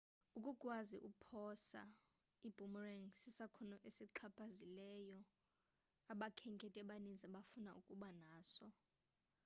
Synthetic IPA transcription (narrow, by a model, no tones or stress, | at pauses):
ukʼukʼwaziʔupʰɔsa̰ | ib̥ʱumrɛŋsisakʰɔnɔʔesiǁʰapʼazilɛjɔ | aɓakʰɛŋkʼɛtʼɛɓanind͡zʱaɓafunaʔukʼuɓanaːsɔ